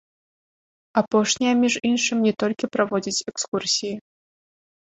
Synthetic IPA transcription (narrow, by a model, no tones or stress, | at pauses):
apɔʂnʲɛjɐmʲiʐinʂɨmʲnʲɛt̪ɔlʲkʲipɾavɔd͡zʲit͡sʲɛkskursʲiji